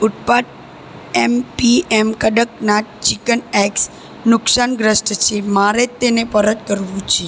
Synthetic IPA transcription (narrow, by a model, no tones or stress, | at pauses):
uʈ̚paʈ̚ | ɛmpiɛmkəɖək̚naʈ̚t͡ʃikənɛks | nʊksanɡɾəsʈt͡ʃʰemaɾet̪ːenepəɾət̪̚kəɾʋũt͡ʃʰe